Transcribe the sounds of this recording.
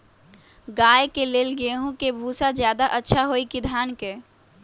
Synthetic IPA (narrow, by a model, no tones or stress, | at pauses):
ɡaːekeleːlɡeɦõkebʱuːsad͡ʒjaːd̪aʔətːʃʰaɦoːikid̪ʱaːnke